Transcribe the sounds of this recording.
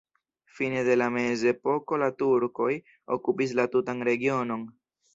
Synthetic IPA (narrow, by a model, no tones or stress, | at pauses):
fine̞de̞lame̞ze̞po̞ko̞latuɾko̞j | okupis̬latutanɾe̞ɡio̞no̞n